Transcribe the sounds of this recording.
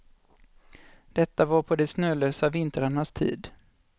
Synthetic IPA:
d̪̥ɛt̪ːavaɾpʰɔd̪ɛsnøːløːsavɪnt̪əɾaɳast̪ʰḭːd̪

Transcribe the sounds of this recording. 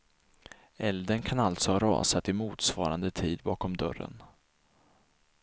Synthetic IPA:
ɛld̪ənkʰanalt̪sɔhɑɾɑ̰ːsat̪ɪmuːt̪svɑːɾand̪ət̪ʰiːd̪bɑːkɔmd̪œɾə̰n

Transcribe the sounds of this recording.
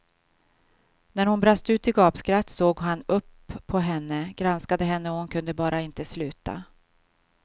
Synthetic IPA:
næɾhʊnbɾast̪əʉ̟ːt̪ɪɡɑːpskɾat̪ːsoːɡɦanɵpʰːɔɦɛnːəɡ̥ɾanskad̪əɦɛnːəɔhʊnkʰɵnd̪əbɑːɾaɪnt̪əslʉ̟ːt̪ʰa̰

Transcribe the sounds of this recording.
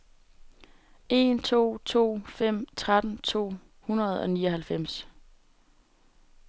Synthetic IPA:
e̝nt͡sʰo̝̰ːt͡sʰo̝̰ːfem̰t͡sʰʁad̥n̩t͡sʰo̝̰ː | hunɐð̞̩ˠɒ̽niːɒɦælfem̰s

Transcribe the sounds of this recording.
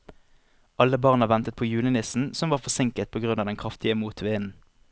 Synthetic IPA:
ʔɑlːəbɑʁnəʋɛnt̪ət̪̚pʰoːjʉːlənɪsn̩sɔmʋɑːʁfɔsɪŋkət̪̚pʰoːɡʁʉnɑːʋd̪ɛnkʰʁɑft̪ɪəmuːt̪ʰʋeːən̩

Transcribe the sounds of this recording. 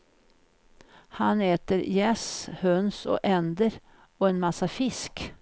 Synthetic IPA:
haneːt̪əɾjɛːshœnsɔ̰ʔɛnd̪əɾ | ɔɛnmasːafɪsk

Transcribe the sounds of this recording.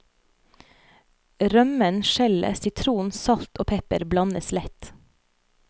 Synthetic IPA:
ɾœmənʃɛlə̰sʏt̪ʰɾuːnsɑlt̪ʔoːpʰɛpəɾblɑnəslɛt̪

